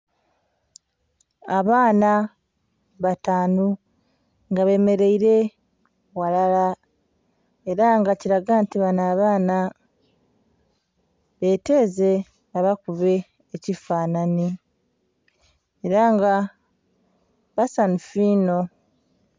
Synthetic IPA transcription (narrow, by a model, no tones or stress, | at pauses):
aβaːna | βataːnu | ŋɡaβe̞ːme̞ɾe̞iɾe̞ | walala | e̞ɾaŋɡaciɾaɡantiβanaːβaːna | βe̞ːte̞ːze̞ | aβakuβe̞ː | cifaːnani | eɾaŋɡa | βasanufiːno̞